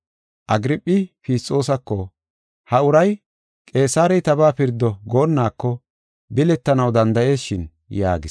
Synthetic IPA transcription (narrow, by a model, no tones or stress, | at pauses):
ʔɐɡɾɪpʼːɪpiːst͡sʼːo̞ːsɐkːɔ | hɐʊɾɐj | kʼe̞ːsaːɾɛjt̪ɐbaːpɪɾd̪ːɔɡo̞ːnːaːkːɔ | bɪlɛt̪ːɐnɐwd̪ɐnd̪ɐʔe̞ːsʃɪn | ja̰ːɡɪs